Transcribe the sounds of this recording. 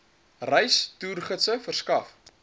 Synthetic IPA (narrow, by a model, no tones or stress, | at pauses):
rɛjstuːrχətsəfərskɐf